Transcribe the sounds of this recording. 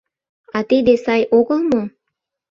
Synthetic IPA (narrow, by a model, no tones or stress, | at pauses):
ɑt̪ed̪esɑjʔoɣə̆lmo